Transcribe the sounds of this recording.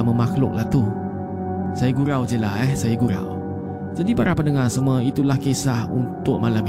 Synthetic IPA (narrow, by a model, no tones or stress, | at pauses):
mə̃maxlʊ̰k̚lat̪u | sajaɡuɾawd͡ʒəlaɛsajaɡuɾa̰w | d͡ʒadipaɾapəndəŋarsəməit̪ulahkesahṵnt̪ʊʔ̚malam